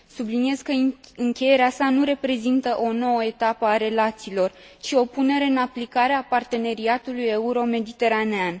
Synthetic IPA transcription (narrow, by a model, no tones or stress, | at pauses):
sublinije̞zkəɨŋkʲe̞je̞ɾeasanuɾe̞pɾe̞zint̪əʔo̞no̞wəe̞t̪apəaɾe̞lat̪siːlo̞r | t͡ʃio̞pune̞ɾe̞ɨnaplikaɾe̞apart̪e̞ne̞ɾiat̪ulujeuɾo̞me̞d̪it̪e̞ɾanean